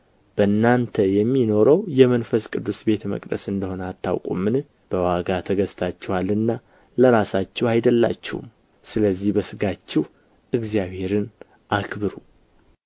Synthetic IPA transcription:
b̥əɨnːant̪ʰəjɛmːino̞ɾəwjɛmənfəskʼɨd̪ːusbe̞t̪ʰmə̰kʼd̪ə̰sɨnd̪əho̞nəat̪ːa̰wkʼṵmːɨn | b̥əwaɡat̪ʰəɡəst̪ʰat͡ʃːɛwalɨnːa | ləɾasat͡ʃːɛwajd̪əlːa̰t͡ʃːɛ̰hṵm | sɨləzːihbəsɨɡat͡ʃːɛh | ʔɨɡzijaβhe̞ɾɨn | ʔakʰbɨɾu

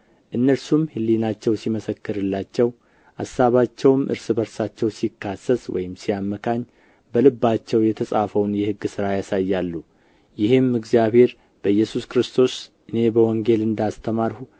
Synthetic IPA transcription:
ʔɨnːəɾsumhɨlːinat͡ʃːɛwsiməsəkːɨɾɨlːat͡ʃːɛw | ʔasaβat͡ʃːɛwmʔɨ̰ɾsɨbəɾsat͡ʃːɛwsikʰːasːəswɔ̰jɪmsijamːəkʰaɲː | bəlɨbːat͡ʃːɛwjɛt̪ʰəsʼafəwnjɛhɨɡːsɨɾajasajːalːu | jɪhɨmːɨɡzijaβhe̞ɾ | b̥əjːɛsuskɾɨst̪ʰo̞sʔɨne̞bəwɔŋɡelɨnd̪ast̪ʰəmaɾhu

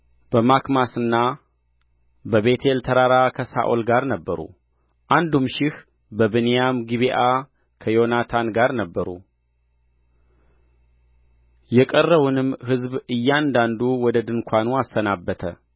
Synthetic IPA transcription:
b̥əmakmasɨnːa | bəβe̞t̪ʰe̞lt̪ʰəɾaɾakʰəsa̰ʔolɡaɾnəbːəɾṵ | ʔand̪umʃɪh | bəβɨnejamɡiβeʔa | kʰəjo̞nat̪ʰanɡaɾnəbːəɾṵ | jɛkʼərːəwunɨmːhɨzβɨjːand̪and̪uwɔd̪əd̪ɨŋkʷʰanuasːənabːət̪ʰə̰

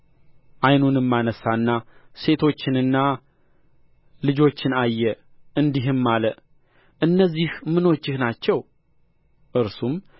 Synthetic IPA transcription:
ʔajnunɨmːanəsaɨnːase̞t̪ʰo̞t͡ʃːɪnɨnːa | lɨd͡ʒo̞t͡ʃːɪnajːɛ | ɨnd̪iɦɨmːalə | ʔɨnːəzːihmɨno̞t͡ʃːɪhnat͡ʃːɛw | ʔɨɾsum

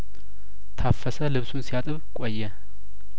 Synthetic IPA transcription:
t̪ʰafːəsəlɨβsunsijat̪ʼɨβkʼojːɛ

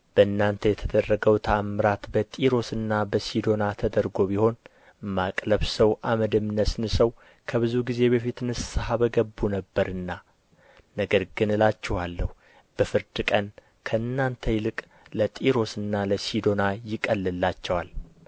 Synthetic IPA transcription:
b̥əɨnːant̪ʰəjɛt̪ʰəd̪ərːəɡəwt̪ʰamɨɾat̪bət̪ʼiɾo̞sɨnːabəsid̪o̞nat̪ʰəd̪əɾɡo̞biho̞n | makʼləβsəwʔaməd̪əmɨnəsnɨsəw | kʰəβɨzuɡize̞βəfit̪nɨsshaβəɡəbːunəbːəɾɨnːa | nəɡəɾɡɨnɨlat͡ʃːɛhalːəhu | b̥əfɨɾd̪ɨkʼən | kʰəɨnːant̪ʰəjɪlɨkʼ | lət̪ʼiɾo̞sɨnːaləsid̪o̞najɪkʼəlːɨlːat͡ʃːɛwal

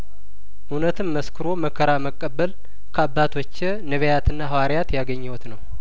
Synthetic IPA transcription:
ʔunət̪ʰɨmːəskʰɨɾo̞məkʰːəɾaməkʼːəbːəl | kʰəabːat̪ʰwot͡ʃːe | nəβəjat̪ɨnːaɦawaɾijat̪jaɡəɲːɛwt̪nəw

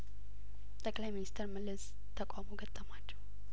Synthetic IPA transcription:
t̪ʼəkʼlajminist̪ʰəɾmɨlɨs | t̪ʰːəkʷʼamoɡət̪ʼːəmat͡ʃːɛ̥h

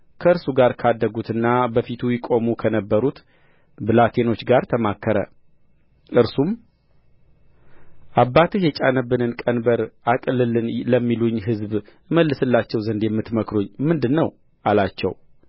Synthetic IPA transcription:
kʰəɨɾsuɡaɾkʰad̪ːəɡut̪ɨnːabəfit̪ʰujɪkʼomukʰənəbːəɾut̪ | bɨlat̪ʰe̞no̞t͡ʃːɡaɾt̪ʰəmakʰːəɾə̰ | ʔɨɾsum | ʔabːat̪ʰɨjɛt͡ʃʼanəbːɨnɨnkʼənbəɾakʼɨlɨlɨnləmːiluɲːɦɨzb | məlːɨsɨlːat͡ʃːɛwzənd̪jɛmːɨt̪məkɾuɲːmɨnd̪ɨnːəw | ʔalat͡ʃːɛ̰w

